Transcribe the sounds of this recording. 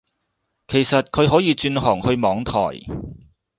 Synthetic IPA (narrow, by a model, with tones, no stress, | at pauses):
kʰe˨˩jsɐ˨t̚kʰɵ˨˧ɥɦɔː˨˥jiː˨˧t͡ʃyː˧nɦɔː˨˩ŋhɵ˧ɥmɔː˨˧˥ŋt̪ʰɔ̰ː˨˩j